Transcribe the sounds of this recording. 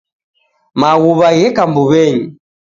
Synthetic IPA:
maɣuβaɣɛkambuβɛɲi

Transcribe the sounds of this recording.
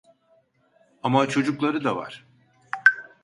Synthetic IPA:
amat͡ʃʰo̞d͡ʒuklˠaɾɯd̪ava̰ɾ̥

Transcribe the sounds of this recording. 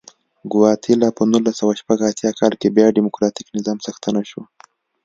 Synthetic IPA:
ɡʊwɑt̪ʰilɑpənulasawaʃpaɡat̪jɑkʰɑlkebjɑɖimʊkɾɑʈi̥knɪzɑmsaxt̪ənaʃu

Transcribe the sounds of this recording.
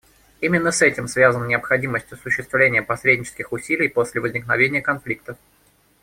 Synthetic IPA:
imʲɪnːəsɛtʲɪmsvʲazənənʲɪəpxɐdʲiməsʲtʲjʊsːʊɕːɪst̪vlʲenʲɪjəpɐsɾʲedʲnʲɪt͡ɕɪskʲɪxʊsʲilʲɪjposʲlʲɪvəzʲnʲɪknɐvʲenʲɪjəkɐnflʲik̚t̪əf

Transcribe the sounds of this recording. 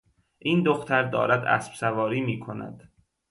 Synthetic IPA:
ʔiːnd̪oxt̪ʰæɾd̪ɒ̰ːɾæd̪æ̰sb̥sævɒːɾiːmiːkʰonæ̰d̪̥

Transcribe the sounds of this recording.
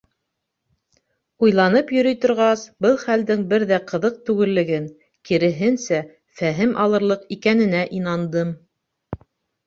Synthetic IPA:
ujlˠɑnɤpjɵ̆ɾɵjt̪ŏɾʁɑsbɤlˠχæld̪ɘŋbɘɾðæqɤ̆ðɤq̚t̪ʉɡɘ̆lːɘ̆ɡɘŋ | kiɾɘ̆ɦɘnsæ | fæɦɘmʔɑlˠɤ̆ɾlˠɤqikænɘ̆næʔinɑnd̪ɤm

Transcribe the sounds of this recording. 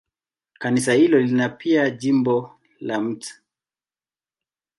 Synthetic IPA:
kanis̬ahilɔlinapʰiaʄimbɔ | lam̩tḁ

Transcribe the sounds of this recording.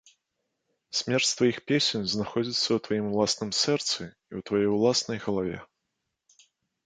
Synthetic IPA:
sʲmʲɛrt͡sʲst̪vajixpʲesʲenʲznaxɔd͡zʲit̪sːɐwt̪vajimlˠasnɨmsɛrt̪sɨ | iwt̪vajejwlˠasnɐjɣɐlˠavʲɛ̰

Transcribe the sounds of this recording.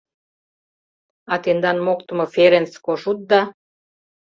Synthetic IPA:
ɑt̪end̪ɑnmokt̪əmɤ̆feɾenskoʃut̪̚d̪ɑ

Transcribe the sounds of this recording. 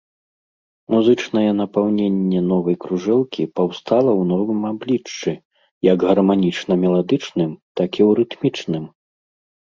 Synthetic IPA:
muzɨt͡ʂnɐjɛnɐpawnʲenʲːɛnɔvɐjkɾuʐɛlˠkʲipawst̪alˠɐwn̪ɔvɨmablʲit͡ʂːɨ | jɐɡɣɐrmanʲit͡ʂnɐmʲɛlˠad̪ɨt͡ʂnɨmt̪akiwɾɨt̪mʲit͡ʂnɨm

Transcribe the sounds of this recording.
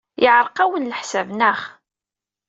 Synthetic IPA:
ʔɪʕəɾˤqæwənləħsævnæχ

